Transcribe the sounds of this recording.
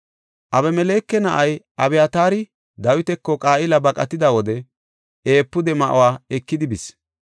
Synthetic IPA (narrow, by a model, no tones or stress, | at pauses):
ʔɐβɛmɛleːkːɛnɐʔɐjʔɐbɛjat̪aːɾɪ | d̪ɐwɪt̪ɛkːɔkʼaːʔɪlɐbɐkʼɐt̪ɪd̪ɐwɔd̪ɛ | e̞ːpːʊd̪ɛmɐʔʊ̰waːɛkːɪd̪ɪbɪs